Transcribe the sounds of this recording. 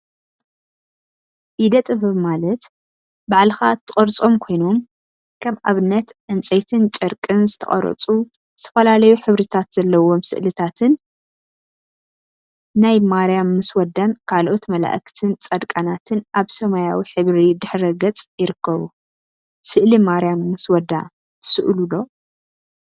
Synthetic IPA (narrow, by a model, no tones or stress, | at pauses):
ʔid̪ɐt̪ʼɨβɨmalɐt̪ | baʕlɨxat̪ʰːɨχʼɐɾt͡sʼo̞mkʰo̞jno̞m | kʰɐmaβɨnːɐt̪ʕɨnt͡sʼejt̪ʰɨnt͡ʃʼɐɾkʼɨnzɨt̪ʰɐ̰χʼɐ̰ɾɐ̰t͡sʼu | zɨt̪ʰɐ̥fɐlalɐjuħɨβɾit̪ʰat̪z̥ɐlːɐwo̞msɨ̰ʔlɨt̪ʰat̪ʰɨn | najmaɾjamːɨswɐd̪ankʰalʔo̞t̪mɐla̰ʔɨkt̪ʰɨnt͡sʼɐd̪kʼanat̪ʰɨnʔaβsɐmajawiħɨβɾid̪ɨħɾɐɡɐt͡sʼjɪɾɨkːɐβu | sɨʔlimaɾjamːɨswɐd̪a̰ | t̪ʰɨ̥sɨʔlulo̞